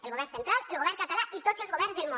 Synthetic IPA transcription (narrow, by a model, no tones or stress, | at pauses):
elɣo̞enθent̪ɾalelɣ̞oeɾnkat̪alait̪oslozɣoezðelmõ